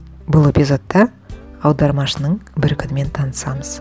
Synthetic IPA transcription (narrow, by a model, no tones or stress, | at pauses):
bʊlˠe̞pʲijzo̞t̪ːɑ | ɑwd̪ɑɾmɑʃənəɴbɪɾkʲʰʏnɪme̞nt̪ʰɑnəsɑməz̥